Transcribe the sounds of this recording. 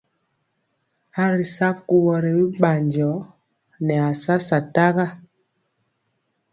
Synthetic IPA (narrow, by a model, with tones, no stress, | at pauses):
a˦ɾi˨sa˦ku˦wɔ˨ɾɛ˨wi˦ɓa˨ɲd͡ʒɔ˨˦ | nɛ˨a˨sa˦sa˨ta˦ɣa˦